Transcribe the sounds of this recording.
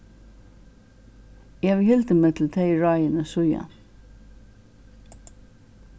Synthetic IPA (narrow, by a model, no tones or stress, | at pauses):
jɛʋhɪlt̪əmeːt̪ʰl̩t̪ʰeɪɹɑjənəsʊja̰